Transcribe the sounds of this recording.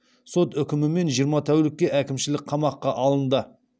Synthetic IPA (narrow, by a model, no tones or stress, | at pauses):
so̞t̪ʏkʲɪmɪme̞nʒijəɾmɑt̪ʰæwlɪkʲːe̞ʔækʲɪmʃɪlɪk̚qʰɑmɑqːɑʔɑlˠənd̪ə